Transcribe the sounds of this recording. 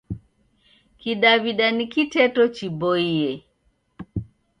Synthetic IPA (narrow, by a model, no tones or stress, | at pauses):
kiɗaβiɗanikitɛtɔt͡ʃibɔiɛ